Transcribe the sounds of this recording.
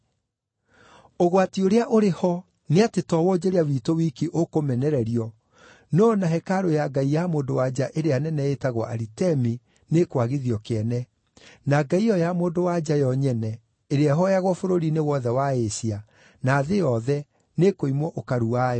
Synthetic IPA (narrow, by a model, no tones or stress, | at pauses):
oɣwatioɾeaʔoɾehɔ | neatetɔwɔd͡ʑeɾeawiːtowikiʔokomɛnɛɾɛɾiɔ | nɔnaɦɛkaɾojaɡaijamoːndowad͡ʑaʔeɾeanɛnɛetaɣwɔʔa̰ɾitɛmi | nekwaɣiðiɔkeɛnɛ | naɡaiɔjamoːndowad͡ʑajɔɲɛnɛ | eɾeɛɦɔjaɣwɔfoɾoɾinewɔðɛwaesia | naːðejɔðɛ | nekoimwɔʔokaɾuajɔ